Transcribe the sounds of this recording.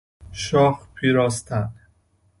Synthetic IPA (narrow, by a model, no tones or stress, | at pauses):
ʃɒːxpʰiːɾɒːst̪ʰæn